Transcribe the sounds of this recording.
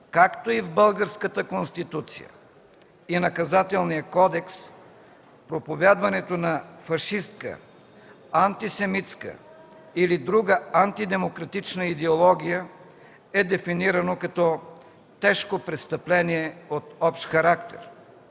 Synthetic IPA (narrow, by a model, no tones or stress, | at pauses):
kakt̪oivbəlˠɡəɾskət̪əkonst̪it̪ut̪sḭjə̰ | inɐkɐzat̪ɛlˠnijəkɔd̪ɛks | pɾopovʲad̪vɐnɛt̪onɐfɐʃist̪kə̰ | ɐnt̪isɛmit̪skə̰ | ilid̪ɾuɡəant̪id̪ɛmokɾɐt̪it͡ʃnəid̪ɛolˠɔɡʲijə | ɛd̪ɛfiniɾɐnokɐt̪ɔ | t̪ɛʃkopɾɛt̪st̪ɐplɛniɛot̪ɔpʃt̪xɐɾakt̪ɛ̰ɾ